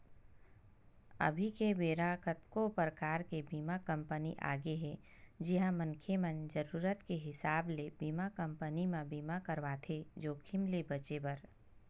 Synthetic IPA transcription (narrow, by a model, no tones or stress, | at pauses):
ɐ̰bʱikebeːɾakət̪kopɾəkaːɾkebiːmakɐ̃mpənḭʔa̰ːɡeɦɛ | d͡ʒɪɦãmə̃ŋkʰemə̃nd͡ʒəɾuːɾət̪keɦɪsaːblebiːmakɐ̃mpənimãbiːmakəɾʋat̪ʰed͡ʒoːkʰɪmlebɐt͡ʃebɐɾ